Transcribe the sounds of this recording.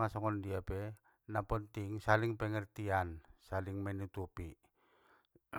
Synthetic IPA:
ŋasɔŋɔndiapɛ | napɔnt̪iŋsaliŋpɛŋɛrt̪iansaliŋmɛnut̪upi

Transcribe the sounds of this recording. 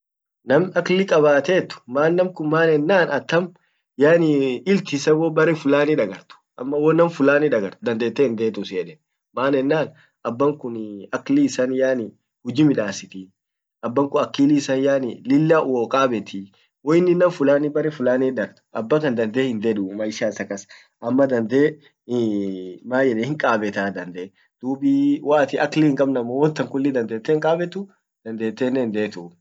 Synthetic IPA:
nɐmɐklɪkʼɐbaːt̪eːt̪ːʊ̥maːnːɐmkʊnmaːnɛnːaːnɐt̪ːɐm | jaːnɪɪlt̪ɪsɐwɔbɐɾɛfʊlaːniᶑɐɡɐɾt̪ʊ̥ʔɐ̰mːɐwɔnɐmfʊlaːniᶑɐɡɐɾt̪d̪ɐnd̪eːt̪ːeːɪnd̪eːt̪ʊsɪɛᶑɛn | maːnɛnːaːn | ɐbːɐŋkʊnɐkliːsanjaːnɪ | hʊd͡ʒimɪᶑaːsɪt̪i | ɐbːɐŋkʊɐkːiːlisɐnjaːnɪlɪlːaːʔwoːkʼaːbɛt̪i | wɔɪnːɪnːɐmfʊlaːnɪbɐɾɛfʊlaːnɛːᶑɐɾʔɐbːɐkɐnd̪ɐnd̪eːhɪnd̪eᶑʊmɐɪʃaːsɐkɐs | ʔɐmːɐd̪ɐnd̪eː | maːjɛᶑehɪŋkʼaːbɛt̪aːd̪ɐnd̪e | d̪̥uːbiwaːt̪ɪʔɐklihɪŋkʼɐbnɐmːɐwɔnt̪ːɐŋkʊlːɪd̪ɐnd̪e̞ːt̪ːɛːŋkʼaːbɛt̪ʊ | d̪̥ɐnd̪eːt̪ːeːnːɛnd̪eːt̪ʊ

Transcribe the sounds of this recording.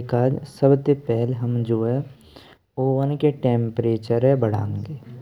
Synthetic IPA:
kaːd͡ʒsɐbt̪epɛɦlɦɐmd͡ʒoːe | oːʋənkeʈẽːmpɾeːt͡ʃəɾɦɛbɐɽã̰ːŋɡeː

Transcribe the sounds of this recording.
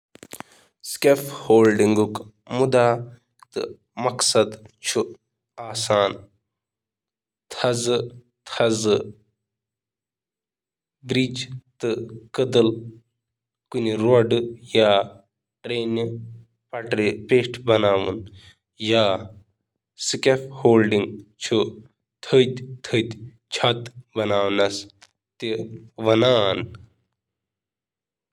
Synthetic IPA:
skefhoːlɖiŋɡuk | mud̪aː | t̪ɨ̰ | mɐksɐd̪t͡ʃʰu | aːsaːn | t̪ʰɐzɨ | t̪ʰɐzɨ | bɾid͡ʒt̪ɨkɨd̪ɨl | kuniɾoɖjaː | ʈɾeːn | pɐʈɾepeːʂʈʰbɐnaːʋɨ̰n | jaː | sikʲefhoːlɖiŋɡt͡ʃʰu | t̪ʰəd̪ʲt̪ʰəd̪ʲ | t͡ʃʰat̪bɐnaːwnɐs | t̪eʋɐnaːn

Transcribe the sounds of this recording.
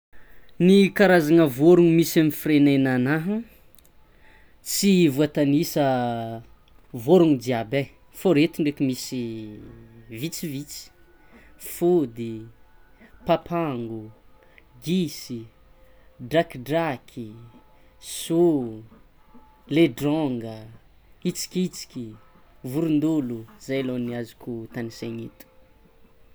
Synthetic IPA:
nikaɾazaŋəvoɾuŋmisamifirenenanaɦu | t͡sivuat̪anisə | voɾuŋd̪iabe | foɾet̪uɳɖ͡ʐekimisi | vit͡sivit͡si̥ | fud̪i | papʰaŋɡu | ɡisi | ɖ͡ʐakɖ͡ʐakʰi | su | leɖ͡ʐɔŋɡə | it͡si̥kʲit͡si̥kʲi | vuɾund̪uluzajloniazu̥kʲut̪aniseɲit̪u̥

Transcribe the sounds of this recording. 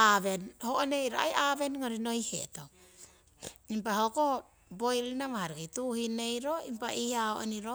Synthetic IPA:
aβe̞nhoʔone̞jɾoa̰jaβe̞nŋoɾino̞ihe̞̰to | impahoko | bo̞jlinamahaɾikajtuhine̞jɾo̞impaʔiaho̰ʔoniɾo

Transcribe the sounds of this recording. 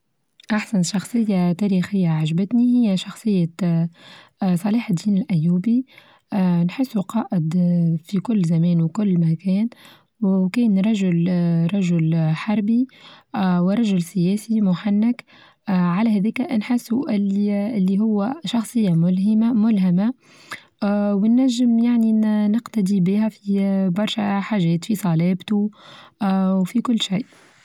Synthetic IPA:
ʔaħsanʃɑxsˤɨjːat̪æːɾixɪjːaʕaʒbæt̪nihɪjːæʃɑxsˤɨjːa | sˤɑliːħd̪ːiːnɪlʔæjːuːbi | nħɪsːuqɑːʔɪd̪fikʊlːzæmɛːnwkʊlːmækɛːn | wkɛːnɾˤɑʒʊlɾˤɑʒʊlħɑɾˤbi | wɪɾˤɑʒʊlsɪjɛːsimʊħanːɪk | ʕalæɦæːðɛːkæʔnħɪsːuʔɪliɪlːiɦʊwːæʃɑxsˤɨjːamʊlɦɪmamʊlɦama | wɪnːæʒːɪmjaʕninɪqt̪æd̪ibihæfibɑɾˤʃæħaːʒɛːt̪fisˤɑlɛːbt̪u | wfikʊlːʃajʔ

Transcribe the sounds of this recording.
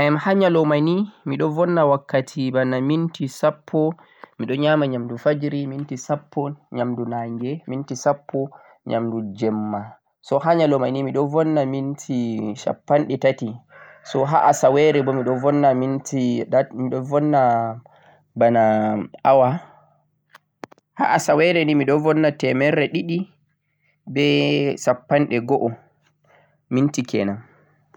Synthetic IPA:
ɛmhaɲalɔmanimiɗɔvɔnːawakːatʰibanamintisapʰːɔ | miɗɔɲaːmaɲamdufad͡ʒɾimintisapʰːɔɲamdunaːŋɡɛmintisapʰːɔ | ɲa̰mdud͡ʒɛmːa | sɔɦaɲalɔmanimiɗɔvɔnːamintʰiʃa̰pːanɗɛtati | sɔɦaʔasawɛɾɛbɔmiɗɔvɔnːamintiamiɗɔvɔnːa | banaawa | ha̰ʔasawɛɾɛnimiɗɔvɔnːatɛmɛɾɛɗiɗi | bɛsapːanɗɛɡɔʔɔ | mintikʰɛnam

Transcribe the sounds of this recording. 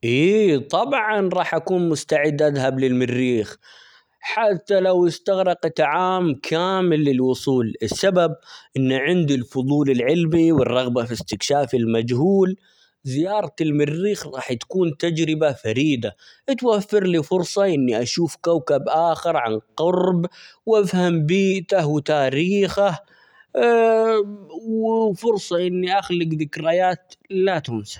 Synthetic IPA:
ʔiːt̪ˤɑbʕɑnɾˤɑːħʔakuːnmʊst̪aʕɪd̪ʔaðɦablɪlmɪrːiːx | ħat̪ːalawʔɪst̪aɣɾɑqt̪aʕaːmkʰaːmɪlːɪlwʊsˤuːlɪsːababʔɪnːʕɪnd̪ilfʊðˤuːlɪlʕɪlmiwɪrˤːɑɣbafist̪ɪkʃaːfɪlmad͡ʒɦuːl | zɪjɑːɾˤɑɪlmɪrːiːxɾˤɑːħtt̪ḁkuːnt̪ad͡ʒɾɪbafaɾiːd̪a | ʔt̪wafːɪɾlifʊɾsˤɑʔɪnːiʔaʃuːfkawkabʔaːxɪɾʕa̰nqɑɾˤbwʔafhambiːʔt̪ahwɪt̪aːɾiːxah | wfʊɾsˤɑʔɪnːiʔaxlɪɡðɪkɾajaːt̪lat̪ʊnsḁ

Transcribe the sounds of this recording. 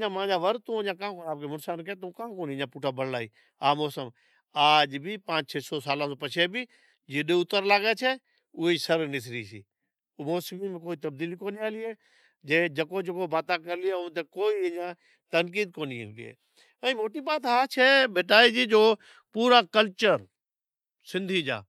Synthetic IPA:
ãːmãːd͡ʒaːʋəɾt̪õːɲãːkãːkoːaːbkemʊnsaːnkɛt̪ũkãːkoːniːãːpuːʈʰaːbəɽlaːḭː | aːmɔːsəm | aːd͡ʒbʱipãːt͡ʃt͡ʃʰeːsɔːsaːlãːsoːpət͡ʃʰeːbiː | d͡ʒɪɗeːʊt̪əɾlaːɡeːt͡ʃʰeː | ʊisəɾnɪs̬ɾiːsiː | mɔːsmimẽkoːiːt̪əb̚d̪iːlikoːniaːliːeː | d͡ʒeːd͡ʒəkoːd͡ʒəkobaːt̪aːkəɾlieʊ̃t̪ekoːiːɪɲãː | t̪ənkiːd̪̚koːniɦənb̪ḭɦḛː | ɛ̃ĩmoːʈiːbaːt̪aːt͡ʃʰɛːbeːʈaːiːd͡ʒiːd͡ʒoː | puːɾaːkəlt͡ʃəɾ | sɪ̃nd̪ʱiːd͡ʒa̰ː

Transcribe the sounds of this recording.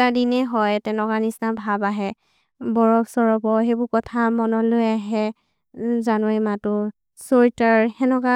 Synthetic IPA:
tadinɛɦɔjtɛnɔkanisnabʱabaɦɛ | bɔɹɔbsɔɹɔbɔɦebʊkɔtʰamɔnɔlojaɦɛ | zanuɛmatʊ | soɹitaɹhɛnɔka

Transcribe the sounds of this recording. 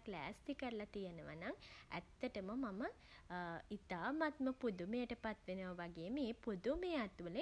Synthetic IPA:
klæ̰ːst̪ikəɾəlat̪ijenəʋa̰naŋæ̰t̪ːəʈəməmamə | it̪aːmat̪məpud̪umejəʈəpat̪ʋenəʋaʋaɡeːmeːpud̪umejat̪ʋələ

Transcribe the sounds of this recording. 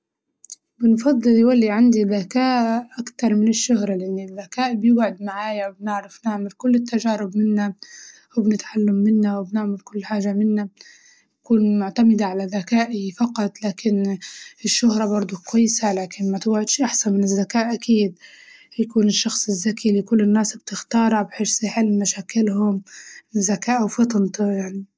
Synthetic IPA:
bɪnfɑd̪ˤːɨljwalːiʕand̪iðakaːʔʔakt̪ɑɾˤmɪnɪʃːʊɦɾˤɑlɪʔɪnːiðːakaːʔbjɪɡʕɪd̪maʕaːjawbnɪʕɾafnɪʕmɪlkʊlːɪt̪ːaʒaːɾɪbmɪnːa | wbnɪt̪ʕalːamːɪnːawɪbnɪʕmɪlkʊlːħaːʒamɪnːa | jakuːnmʊʕt̪amɪd̪aʕalaðakaːʔifɑqɑt̪ˤlaːkʰɪnɪʃːʊhɾˤɑbɑɾˤd̪ˤʊkwajːɪsalaːkɪnmat̪ɪwʕɪd̪ʃʔaħsanmɪnɪzːakaːʔʔakiːd̪̚ | jakuːnɪʃːɑxsˤɪzːakilikʊlːɪnːaːsbt̪ɪxt̪ɑːɾˤɑbħeːʃsiħɪlmaʃaːkɪlɦʊmzːakaːʔwfɨt̪ˤnt̪jaʕni

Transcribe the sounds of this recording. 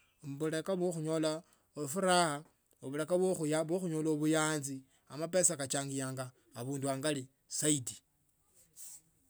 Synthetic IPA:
mβule̞kaβwoxuɲo̞la | ofuɾaxa | oβulekaβoxujaβwoxuɲoːloβujaːnzi | amape̞sakat͡ʃaːŋɡijaːŋɡaː | βuːnduaːŋɡali | saiti̥

